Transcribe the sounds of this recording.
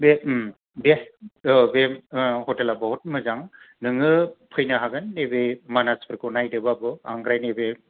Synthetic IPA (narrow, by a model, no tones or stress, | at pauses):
bem | be | behɔtelabɔɦut̚mɯzaŋ | nɯŋɯpʰɯjnaɦaɡɯnːebemanaspʰɯɾkunajdɯbabɯa̰ŋɡɾajnebe